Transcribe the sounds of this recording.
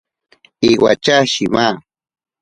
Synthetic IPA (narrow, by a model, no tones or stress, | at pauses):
iwa̰t͡ʃaʃima